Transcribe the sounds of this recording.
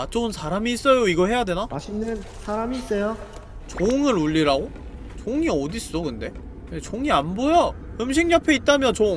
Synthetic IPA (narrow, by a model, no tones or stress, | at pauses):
at͡ɕ͈ounsʰaɾamiːs͈ʌjoiɡʌɦe̞jade̞naaɕʰinːɯn | sʰaɾamiːs͈ʌjo | t͡ɕoŋɯɾuʎːiɾaɡo | t͡ɕoŋiʌdis͈okɯnde̞ | jet͡ɕoŋianbojʌɯmɕ̬ʰiŋɲʌpʰe̞it̚t͈amjʌnt͡ɕoŋ